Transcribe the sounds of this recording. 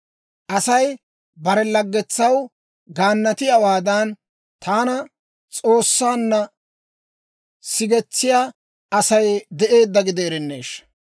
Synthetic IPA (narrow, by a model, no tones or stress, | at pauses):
ʔɐsɐj | bɐɾɛlɐɡːɛt͡sːɐw | ɡaːnːɐt̪ɪjɐwaːd̪ɐn | t̪ʰaːnɐ | t͡sʼo̞ːsːaːnːɐ | sɪɡɛt͡sːɪjaː | ɐsɐjd̪ɛʔe̞ːd̪ːɐɡɪd̪eːɾɛnːe̞̰ːʃ